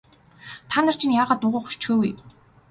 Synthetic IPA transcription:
t̪ʰaːnə̆r̥t͡ɕʰĭnjaːʁaːt̪ːʊʁʊːxu̥t͡ɕxeːwuj

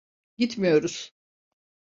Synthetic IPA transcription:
ɟit̪mijo̞ɾuz̥

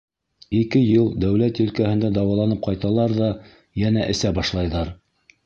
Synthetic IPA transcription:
ikɘjɤlˠd̪æwlæt̪ɵ̆lkæhɘ̆nd̪æd̪ɑwɑlˠɑnɤp̚qɑjt̪ɑlˠɑɾðɑ | jænæʔɘ̆sæbɑʃlˠɑjðɑɾ

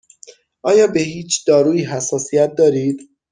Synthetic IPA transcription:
ʔɒːjɒːbe̞ɦiːt͡ʃʰd̪̥ɒːɾuːiːɦæsːɒːsijæt̪̚d̪ɒːɾiːd̪̥

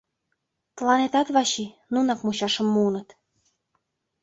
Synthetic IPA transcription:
t̪lɑnet̪ɑt̪βɑɕi | nunɑkmuɕɑʃɤ̆mːuːnɤ̆t̪

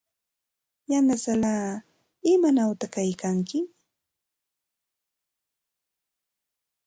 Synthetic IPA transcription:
janasalaː | ɪmanawt̪akajkaŋkɪ

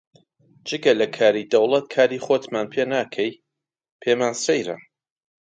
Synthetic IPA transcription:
d͡ʒɨɡɐlɐkʰaːɾiːd̪ɐwlˠɐt̪̚kʰaːɾiːχoːt̪maːnpʰeːnaːkʰɛj | pʰeːmaːnsejɾɐ̰

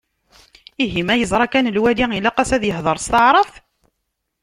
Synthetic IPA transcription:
iɦimæjəzˤɾˤɑkænəlwæliŋilæqæsæðjəhðˤəɾˤst̪ɑʕɾˤəfθ

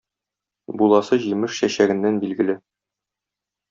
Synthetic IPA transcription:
bulˠɑsɤʑimɘʃɕæɕæɡɘ̆nːænbilɡɘ̆lɘ

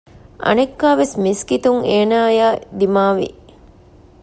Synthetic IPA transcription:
ʔɐ̰nekːaːʋesmiskit̪uŋeːnaːjaːd̪imaːʋḭ

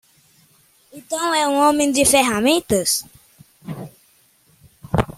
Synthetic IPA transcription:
itɔwʷewʷɔmĩn̩d͡ʒifeɦamitəs

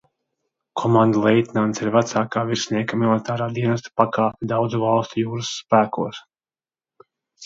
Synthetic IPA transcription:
kʰɔmãnd̪alˠɛjt̪ʲnant̪siɾvæt̪saːkaːviɾsniɛkamilˠit̪aːɾaːd̪iɛnɐst̪ḁpakaːpʲɛd̪awd̪zuvɑlˠst̪ujuːɾɨsːpæːkuɔs

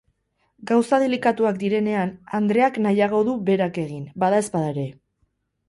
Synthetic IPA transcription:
ɡawsað̞e̞likat̪uakd̪iɾe̞ne̞anand̪ɾe̞aknajaɣ̞o̞ðuβe̞ɾake̞ɣinbaðae̞spaðaeɾe̞

